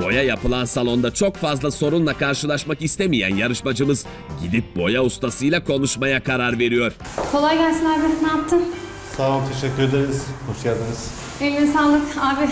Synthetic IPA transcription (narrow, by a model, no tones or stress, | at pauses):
bo̞̰jajapɯlˠansalˠo̞nd̪at͡ʃʰo̞kfazlˠaso̞ɾunlˠakʰaɾʃɯlˠaʃmakist̪emijæ̰njaɾɯʃmad͡ʒɯmɯz | ɟid̪ip̚bo̞jaust̪ʰasɯjlˠakʰo̞nuʃmajakʰaɾaɾve̞ɾijo̞ɾ | kʰo̞lˠajɡælʲsinaːbinaːp̚t̪ʰɯn | salˠamt̪ʰeʃɛcʲːyɾed̪eɾiz̥hoʃjad̪ɯɾɯz̥ | elʲnisaːlˠːɯkaːbi